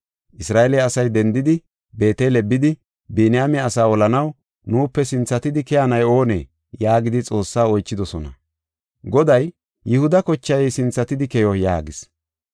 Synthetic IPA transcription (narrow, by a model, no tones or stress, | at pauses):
ʔɪsɾaːʔɛlɛːɐsɐjd̪ɛnd̪ɪd̪ɪ | be̞ːt̪elɛbːɪd̪ɪ | benɪjaːmɛɐsaːɔlɐnɐw | nuːpːɛsɪnt͡sːɐt̪ɪd̪ɪkɛjɐnɐjo̞ːnḛː | jaːɡɪd̪ɪt͡sʼo̞ːsːaːɔjt͡ʃːɪd̪ɔsɔnɐ̰ | ɡɔd̪ɐjː | ɪhʊd̪ɐkɔt͡ʃːɐjɛjsɪnt͡sːɐt̪ɪd̪ɪkɛjɔja̰ːɡɪs